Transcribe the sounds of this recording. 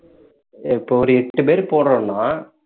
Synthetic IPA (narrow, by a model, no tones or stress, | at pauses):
ɪpːoːɔɾɯɛʈːɯpeːɾpoːɳɾõːnːaː